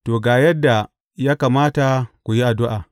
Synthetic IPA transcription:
toː˨ɡaː˨jɐ˦dːa˨ | jaː˦kaː˨maː˦ta˨kʷu˨ji˦ʔa˨dʊ˦ʔaː˨

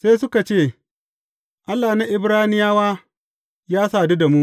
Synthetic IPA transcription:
seː˦sʊ˦ka˨t͡ʃeː˦˨ | ʔa˦lːaː˨na˦ʔɪ˨bɾaː˦nɪ˦jaː˦waː˦ | jaː˦saː˨de˦da˨muː˦

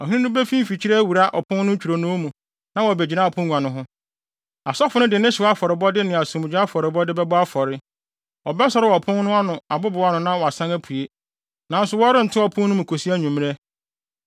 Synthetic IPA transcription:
ɔ˨ɦĩ˦nĩ˦nʊ̃˦bɛ˦fĩ˦m̩˦fi˨t͡ɕʰi˦ɾe˦wu˨ɾa˦ʔɔ˨pʰʊ̃˦nnʊ̃˦t͡ɕʰᶣu˨ɾo˨nũ˦mũ˨ | nã˦wɔ˨bɛ˨d͡ʑi˨nã˦ɔ˨pʰʊ̃˦ŋɡʷã˨nʊ̃˦ɦʊ̃˦ | a˨sɔ˦fʊ˦nʊ̃˦dɪ˨nɪ̃˦ɕɪ˨wa˦fɔ˨ɾɪ˨bɔ˦dɪ˦nɪ̃˨a˨sũ˨mᶣ˨˦a˦fɔ˨ɾɪ˨bɔ˦dɪ˦bɛ˦bʊ˦a˦fɔ˨ɾɪ˦ | ɔ˨bɛ˦sɔ˨ɾɪ˦wɔ˨pʰʊ̃˦nnʊ̃˦a˦nʊ̃˨a˨bʊ˦bʊ˨wa˦nʊ̃˨nã˦wɔ˨a˨sã˦ŋæ˦pʰu˨e˦ | nã˨n˦sʊ˨wɔ˦ɾɪ̃˦n̩˨tʰɪ˦ɔ˨pʰʊ̃˦nnʊ̃˦mũ˨kʰo˨si˦æ˦ɲũ˨m̃˦ɛ˦

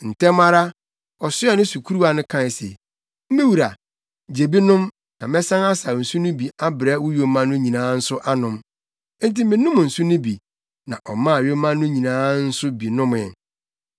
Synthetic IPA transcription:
n̩˨tʰɛ̃˦ma˦ɾa˦ | ɔ˨sʊ˦ɛ˦nʊ̃˦su˨kʰu˦ɾu˦a˨nʊ̃˦kʰã˦˨sḛ˨ | m̩˦mĩ˦wu˨ɾa˨ | d͡ʑe˨bi˦nʊ̃˦m | nã˨mɛ̃˦sã˦ŋa˦sa˨n̩˨su˦nʊ̃˦bi˨a˦bɾɛ˦wu˦jo˦mã˦nʊ̃˦ɲĩ˨nãː˨˦n̩˦sʊ˦ʔa˦nʊ̃˨m˦ | n˦ti˦mɪ̃˨nʊ̃˦m˨n̩˨sʊ˦nʊ̃˦bi˨ | nã˨ʔɔ˨mã˦˨ɥo˦mã˦nʊ̃˦ɲĩ˨nãː˦n̩˦sʊ˦bi˨nʊ̃˦m˨ɛ̰˨

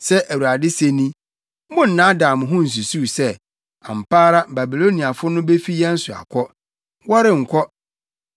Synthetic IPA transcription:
sɛ˦ʔæ˨wu˨ɾa˨dɪ˦se˦nĩ˦ | mʊ̃˦n̩˨nːã˦dã˨m˨ɦʊ̃˦n̩˨s̬u˨su˦˨sɛ˦ | ã̰˨m̩˨pʰaː˦ɾa˦ba˨bi˨lo˦nĩ˨a˨fʊ˦nʊ̃˦be˦fi˦jɛ̃˦n̩˦sʊ˨a̰˨kʷʰɔ˦ | wɔ˦ɾɪ̃˨ŋ̩˨kʰɔ˦

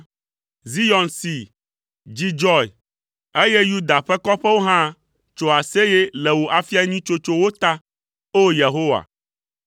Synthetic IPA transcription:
zi˦jɔ˨nsi˨ | d͡ʒi˨d͡ʒɔ˦˨j | e˦jɛ˦ju˦d̪a˨ɸɛ˦kɔ˦ɸɛ˦wo˦ɦã˦ | t͡ʃo˨a˨se˦jɛ˦lɛ˨wo˨ʔa˨fi˦a˦ɲĩ˦t͡ʃo˦t͡ʃo˦wo˦t̪a˦ | o˦je˨ɦo˦wa̰˨

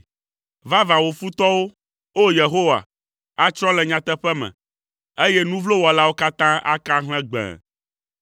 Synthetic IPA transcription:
va˦vã˨wo˨fu˦t̪ɔ˦wo˦ | o˦je˨ɦo˦wa̰˨ | a˦t͡ʃɾɔ̃˦lɛ˨ɲã˨t̪ɛ˦ɸɛ˦mɛ̰̃˨ | e˦jɛ˦nũ˦vlo˦wɔ˨la˦wo˦ka˦t̪ã˦a̰˦ka˦ɦl̃ɛ̃˦ɡ͡bɛ̰̃˨

